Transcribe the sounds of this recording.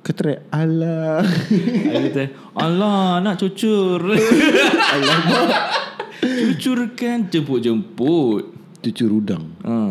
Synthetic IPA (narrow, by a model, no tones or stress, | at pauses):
kət̪əɾɛala | ait̪a | ʔɔlɔnaʔt͡ʃut͡ʃʊr | alaba | t͡ʃut͡ʃʊrkand͡ʒəmpʊt̪̚d͡ʒəmpʊt̪̚ | t͡ʃut͡ʃʊɾuda̰ŋʔə